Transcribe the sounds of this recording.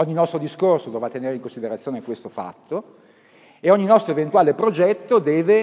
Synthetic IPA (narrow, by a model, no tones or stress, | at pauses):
ɔɲːinɔst̪ɾod̪iskorsod̪oːvat̪ːeneːɾeiŋkõnsid̪eɾat̪sːjoːnekwest̪ofa̰t̪ːo | eɔɲːinɔst̪ɾoevent̪uaːlepɾod͡ʒɛt̪ːod̪ɛːve